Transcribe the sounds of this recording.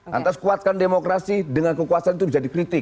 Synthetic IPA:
ʔa̰t̪askuat̪̚kandemokɾasidəŋankəkuasanit̪ubid͡ʒadikɾit̪ɪ

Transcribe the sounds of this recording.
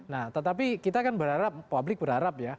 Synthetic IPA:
naht̪ət̪ap̬ikit̪akanbəɾaɾap̚ːablɪk̚bəɾaɾapja

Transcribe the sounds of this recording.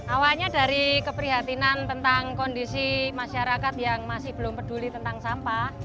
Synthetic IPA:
ʔawalɲad̥a̤ɾikəpɾiɦat̪inant̪ənt̪aŋkɔndisimaʃaɾakat̪jaŋmasɪhb̥əlʊmpəd̥ṳlit̪ənt̪aŋsampah

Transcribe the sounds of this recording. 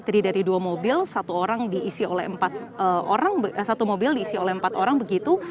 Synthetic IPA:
t̪əɾidaɾiduamobɪlsat̪uoɾaŋdiːsiolɛhəmpat̪̚əo̰ɾaŋbəsat̪umobɪldiːsiolɛhəmpat̪oɾaŋbəɡit̪u

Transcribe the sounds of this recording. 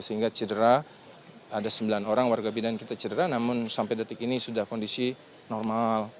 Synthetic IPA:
səiŋɡat͡ʃədəɾa | adasəmbilanoɾaŋwarɡabidankit̪at͡ʃədəɾanamʊnsampajdat̪əkinisudahkɔndisi | nɔrmal

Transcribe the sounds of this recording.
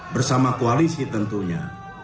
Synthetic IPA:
bərsamakualisit̪ənt̪uɲa̰

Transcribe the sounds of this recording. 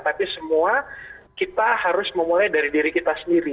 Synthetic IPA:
t̪apisəmua | kit̪ahaɾʊsməmulajdaɾidiɾikit̪asəndiɾi

